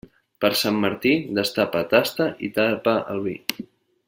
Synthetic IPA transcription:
pəɾsamːəɾt̪id̪əst̪apət̪ast̪əʔit̪apəʔə̰lˠβi

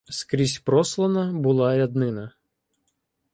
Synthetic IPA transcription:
skɾʲisʲpɾɔslˠɐnɐbʊlˠɑɾʲɐd̪nɪnɐ

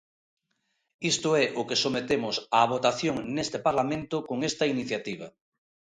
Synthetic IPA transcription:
ist̪oɛʔʊkesomet̪emʊsaβ̞ot̪aθjoŋnest̪epaɾlamẽnt̪ʊkoŋest̪ɐiniθjat̪iβ̞a̰

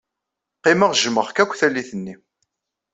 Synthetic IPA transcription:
qiməʁʒməχkækʷːθælːiθənːi

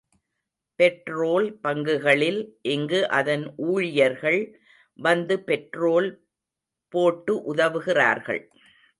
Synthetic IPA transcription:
pɛʈroːlpɐŋɡɯɣɐɭɪlʔɛŋɡɯʔɐðɐnʔuːɻɪjɐɾɣɐɭ | ʋɐnd̪ɯpɛʈroːl | poːʈːɯʔʊðɐʋɯɣɪra̰ːɾɣɐ̰ɭ

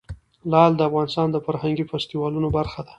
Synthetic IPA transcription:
lɑld̪əafɣɑnɪst̪ɑnd̪əfaɾhaŋɡifast̪iwɑlunobaɾxad̪a

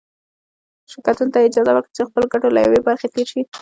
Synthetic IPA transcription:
ʃɪkat̪unt̪aɪd͡ʒɑzawəkɽit͡ʃexpəloɡaʈola̰ja̰webaɾxet̪eɾʃi

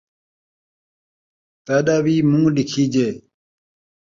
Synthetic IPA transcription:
t̪aɗawimũŋɖikʰid͡ʑe

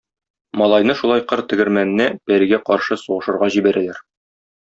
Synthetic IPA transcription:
mɒlˠɑjn̪ɤʃulˠɑjqɤɾt̪ɘ̆ɡɘ̆ɾmæn̆nːæbæɾɘ̆ɡæqɒɾʃɤsuʁɤ̆ʃɤ̆ɾʁɑʑibæɾælæɾ

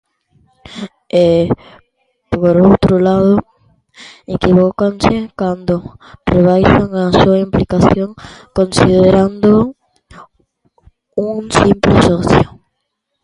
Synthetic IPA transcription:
e | poɾowt̪ɾʊlaðʊ | ekiβokansekand̪orreβajʃaŋasuaimplikaθjoŋkonsiðeɾand̪o | uŋsimplesoθjo

